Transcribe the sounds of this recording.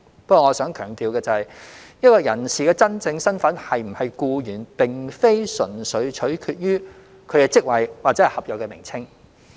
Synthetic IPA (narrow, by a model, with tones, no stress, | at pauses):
pɐ˥kːɔː˧ŋɔː˨˧sœː˨˥ŋkʰœː˨˩ŋt̪iː˨wkɛː˧t͡sɐ˨˧hɐ˨jjɐ˥kɔː˧jɐ˨˩nsiː˨˩kɛː˧t͡sɐ˥nt͡sɪ˧ŋsɐ˥nfɐ˨˥nhɐ˨jm̩˨˩hɐ˨jkuː˧jyː˨˩npɪ˨˩ŋfe˥jsɵ˨˩nsɵ˨˥ɥt͡ʃʰɵ˨˥ɥkʰyː˧t̚jyː˥ | kʰɵ˨˧ɥkɛː˧t͡sɪ˥k̚wɐ˨jwaː˨˩t͡sɛ˨˥ɛ˨˩hɐ˨p̚jɔː˨kːɛ˧mɪ̰˨˩ŋt͡sʰɪ˥ŋ